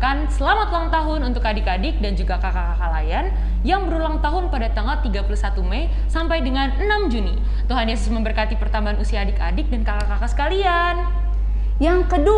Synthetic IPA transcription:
kansəlamat̪ulaŋt̪aɦʊnunt̪ʊkadɪkadɪk̚dand͡ʒuɡakakakakalajan | jaŋbəɾulaŋt̪aɦʊnpadat̪aŋat̪iɡapulusat̪umɛj | sampajdəŋanənamd͡ʒuni | t̪uɦanjesʊsməmbərkat̪ipərt̪ambaːnusiaːdɪkadɪk̚dankakakakasə̥kalia | n | jaŋkədu

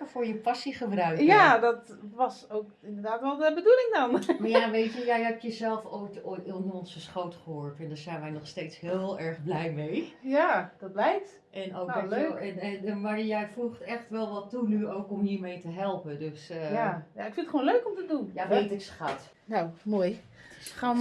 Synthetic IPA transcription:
əfʊːɹjəpasiχəbrœɥkjadɔtʋɔsowkɪndərdaːtʋɛlˠdəbədulɪŋdɔnmaɹjaʋejtəjɛjɦɛpjəzɛlˠfojtotɔnɔnszəsχowtχəɦoːɹtɛndaɹzɛjnʋɛjnɔχsteːtshɪːlˠɛɹɣblɛjmejjad̥ɔt̚blɛjkt | ʔɛnownoløːɛnɛnmaɹjɛjfuxtɛxtʋɛlˠʋɔtːunyowkɔmhiɹmejtəɦɛlˠpədøsəjajaɪkfɪntχwʋoːnløɥkɔmtədunjaʋejtɪksχat | nowmoːjsa

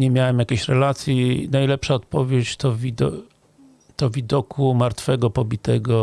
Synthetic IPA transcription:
ɲɛmʲjawɛmjakʲeɕɾɛlat̪sʲjinajlɛpʂaɔt̪pɔvʲjet͡ɕt̪ɔvʲid̪ | t̪ɔvʲid̪ɔkʰumaɾt̪fɛɡɔpɔbʲit̪ɛɡɔ

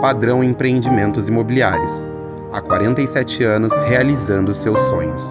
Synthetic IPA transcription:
pad̪ɾɐ̃w̃ẽpɾeẽnd͡ʒimẽnt̪ʊzimobilia̰ɾjʊs | akwa̰ɾẽnt̪ɐjsɛt͡ʃɪɐ̃nʊshealizɐ̃nd̪ʊsewsːõɲʊs

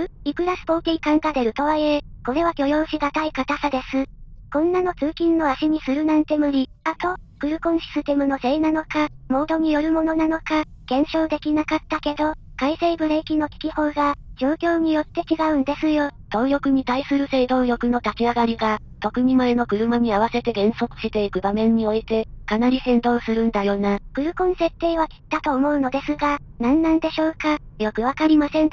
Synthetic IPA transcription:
ikɯ̟ɾasɨ̥poːt̪ʲiikãŋɡad̪e̞ɾɯ̟t̪o̞βaieko̞ɾe̞βakʲo̞jo̞ːɕiɡat̪aikat̪asad̪e̞sɨkõ̞nːano̞t͡sɨːkʲĩnːo̞aɕiɲ̟isɨɾɯ̟nãnt̪e̞mɯ̟ɾʲi | at̪o̞kɯ̟ɾɯ̟kõ̞ɰ̃ɕi̥sɨt̪e̞mɯ̟no̞se̞ːnano̞kamo̞ːd̪o̞ɲ̟ijo̞ɾɯ̟mo̞no̞nano̞kaɡ̥ẽ̞ɰ̃ɕo̞ːd̪e̞kʲinakat̪ːake̞d̪o̞kaise̞ibɯ̟ɾe̞ikʲino̞k̪ʲi̥kʲiho̞ːɡad͡ʑoːkʲo̞ːɲ̟ijo̞t̪ːe̞t͡ɕiɡaɯ̟̃nd̪e̞sɨjo̞t̪o̞ːjo̞kɯ̟ɲ̟it̪aisɨɾɯ̟se̞ːd̪o̞ːjo̞kɯ̟no̞t̪at͡ɕʲiaɡaɾʲiɡa | t̪o̞kɯ̟ɲ̟imaeno̞kɯ̟ɾɯ̟maɲ̟iaβ̞ase̞t̪e̞ɡẽ̞ɰ̃so̞kɯ̟̥ɕit̪e̞ikɯ̟bamẽ̞ɲ̟ːio̞it̪e̞kanaɾʲisẽ̞nd̪o̞ːsɨɾɯ̟̃nd̪ajo̞ːnakɯ̟ɾɯ̟kõ̞nse̞t̪ːe̞ːβ̞akʲi̥t̪ːat̪o̞ːmo̞ɯ̟no̞d̪e̞sɨɡa | nãnːãnd̪e̞ɕo̞ːkajo̞kɯ̟βakaɾʲimasẽ̞n

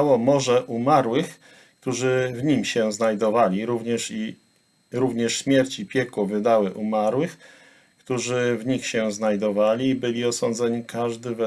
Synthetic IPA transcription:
wɔmɔʐɛʔumaɾwɘx | k̚t̪uʐɘvɲimɕɛznajd̪ɔvalʲiɾuvɲɛʂi | ɾuvɲɛʂɕmʲjɛɾt͡ɕipʲjɛkwɔvɘd̪awɘʔumaɾwɘx | kt̪uʐɘvɲixɕɛznajd̪ɔvalʲibɘlʲiɔsɔnd̪zɛɲikʰaʐd̪ɘvɛ

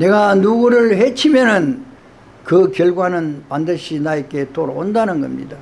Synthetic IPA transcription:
ne̞ɡanuɡɯɾɯɭɦe̞t͡ɕʰimjʌnɯn | kɯkjʌɭɡwanɯnpandɯɕʰinaek͈e̞toɾoondanɯnɡʌ̰mɲḭda

